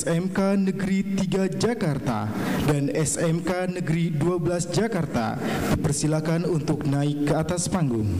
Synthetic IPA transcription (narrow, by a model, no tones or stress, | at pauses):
sɛmkanəɡɾit̪iɡad͡ʒakart̪a̰danɛsɛmkanəɡɾiduabəlasd͡ʒakart̪a̰d̥ipərsilakanunt̪ʊk̚naɪkːəat̪aspaŋɡʊŋ